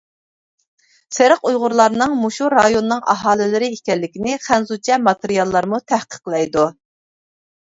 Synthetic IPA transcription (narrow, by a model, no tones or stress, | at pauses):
sɪɾəqujʁʊɾlˠɑɾnɨŋmuʃuɾɑjonːɨŋʔɑ̰ɦɑːlɪlɪɾɪikʲɛlːɪkʲinɪχænzut͡ʃʰɛmɑt̪eɾijɑlˠːɑɾmut̪ʰæhqʰə̥qlˠɛjd̪u